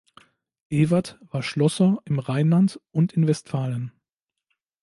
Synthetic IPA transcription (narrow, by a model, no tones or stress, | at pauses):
ʔeːvɐtv̥aːɐʃlɔsɐʔɪmʁaɪnlantʔʊntɪnvɛstfaːlən